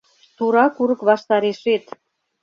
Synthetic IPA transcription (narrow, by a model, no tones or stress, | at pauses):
t̪uɾɑkuɾɤkβɑʃt̪ɑɾeʃet̪